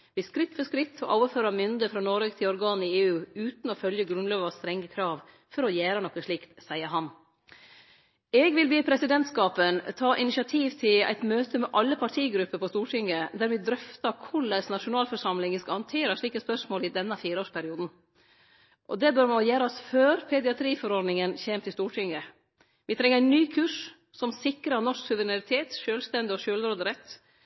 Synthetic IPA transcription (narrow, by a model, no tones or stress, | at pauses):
ʋɪskɾɪt̪ːfɔskɾɪt̪ʰːɔʔoːʋəføːɾɑmʏnd̪əfɾɑnoːɾɛkt̪ʰɪlɔɾɡɑːn̩ɪeːʉːʉːt̪n̩ɔfœljəɡɾʉnløːʋɑst̪ɾɛŋəkʰɾɑːʋ | fɔɾɔjæːɾənɔkːəʂɭiːkt̪sæɪəɾɦɑn | ɛɡʋɪlbeːpʰɾɛsɪd̪ɛnt̪skɑːpənt̪ʰɑːʔɪnɪʃɪɑt̪ʰiːʋt̪ʰɪlæ̰ɪt̪møːt̪ʰəmɛʔɑlːəpʰɑʈʰiːɡɾʉpːəɾpʰɔst̪uːʈʰɪŋːəd̪æɾʋɛd̪ɾœft̪ɑkʰʊɭɛsnɑʂʊnɑːlfɔʂɑmlɪŋəskɑhɑnt̪ʰeːɾəʂɭiːkəspœʂmoːlɪd̪ɛnːəfiːɾoːʂpʰæɾɪuːd̪n̩ | ʔɔ̰d̪ɛbœɾmɑnɔjæːɾɔsføːɾpʰɛd̪ɪɑt̪ʰɾiːfɔɾɔɖ̪nɪŋənçeːmt̪ʰɪlst̪uːʈʰɪŋə | ʋɪt̪ʰɾɛŋːəɾæɪnyːkʰʉːʂ | sɔmsɪkɾɑnɔʂksʉʋəɾɪnɑɾɪt̪ʰeːt̪ʃøːlst̪ɛnd̪ɪɔʃøːlɾoːd̪əɾɛt̪ː